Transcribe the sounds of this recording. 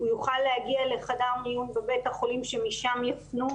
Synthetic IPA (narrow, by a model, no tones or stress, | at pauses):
ujuχalːehaɡialeχadaʁmijumvebe̞thaχo̞limʃe̞miʃamjafnu